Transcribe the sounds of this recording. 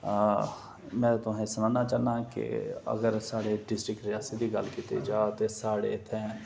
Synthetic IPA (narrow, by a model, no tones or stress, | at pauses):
mɛ̃ːt̪ʊɦẽsənaːnaːt͡ʃaːnaːkḛə̰ɡəɾsaːɽeɖɪsʈɾɪkʈɾɪjaːsid̪iːɡəlkit̪ḛd͡ʒaːt̪esaːɽḛt̪ʰɛ̃ː